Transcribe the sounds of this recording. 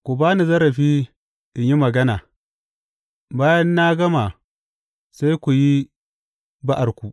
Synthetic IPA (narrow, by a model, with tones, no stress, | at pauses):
kʷu˨baː˦ni˨zɐ˦ɾɐ˨ɸiː˦ | ʔɪ˨ɲji˦mɐ˨ɡɐ˦naː˨ | baː˦jɐ˦nːa˦ɡɐ˦ma˨ | sa˦jkʷu˨ji˦ | ba˦ʔa˨rkʷu˨ʔ